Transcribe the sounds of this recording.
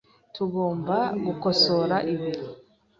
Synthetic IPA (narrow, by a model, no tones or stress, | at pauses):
tuɡo̞ːmbaɡuko̞so̞ɾaʔiβiɾi